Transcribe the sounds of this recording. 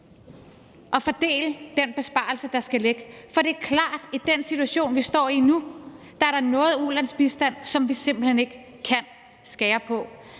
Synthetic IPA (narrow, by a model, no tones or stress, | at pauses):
ʔɒ̽fɒd̥e̝̰ːləd̥enb̥e̝sb̥ɑ̈ːl̩səd̥ɑ̈sɡ̥æle̝ɡ̥əfɒ̽ɾ̥e̝æɐkʰlɑ̰̈ːd̥id̥ensit͡sʰuæɕo̝̰ːnʋisd̥ɒ̰ːinu | d̥ɑ̈æɐɾɑ̈nɔ̽ːð̞̩ˠulænsb̥isd̥æn̰sɒ̽mʋise̝m̰b̥l̩hene̝ɡ̥ | kʰːæn̰ | sɡ̥ɛːɐpʰɒ̽